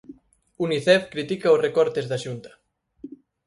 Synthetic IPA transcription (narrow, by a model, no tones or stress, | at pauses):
uniθɛfkɾit̪ikɐosrekɔɾt̪ezðaʃunt̪ɐ̥